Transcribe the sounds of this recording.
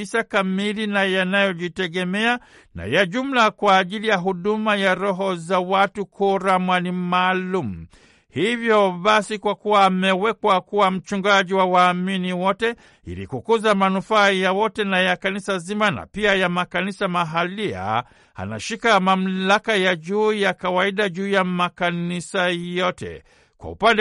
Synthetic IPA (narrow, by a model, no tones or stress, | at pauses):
isakamilinajanajɔʄitɛɠɛmɛa | na̰jaʄum̩lakwaːʄilijaɦuɗumajaɾɔɦɔzawatukʰuɾamwanimaːlum̩ | hivjɔɓasikwakuwaːmɛwɛkwakuwam̩t͡ʃuŋɡaʄiwawaːminiwɔtɛ | ḭlḭkukuzamanufaːjawɔtɛnajakanisazimana̰piajamakanisamaɦalia̰ | a̰na̰ʃikamam̩lakajaʄuːjakawaiɗaʄuːjamakanisajɔtɛ̰ | kwa̰ṵpandɛ